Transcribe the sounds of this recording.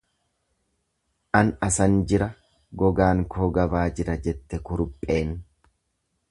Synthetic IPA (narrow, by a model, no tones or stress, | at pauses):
ʔɐnɐsɐnd͡ʒɪɾɐ | ɡɔɡaːŋkʰoːɡɐbaːd͡ʒɪɾɐd͡ʒɛt̪ːɛkʊɾʊpʼːe̞ːn